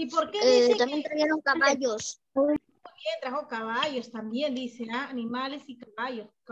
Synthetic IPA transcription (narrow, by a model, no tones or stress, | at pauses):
ipoɾkeeiet̪ambjent̪ɾaɣjeɾoŋkaβaʝos | mjent̪ɾaxo̞kaβaʝost̪ambje̞nd̪iseaːnimalesikaβaʝos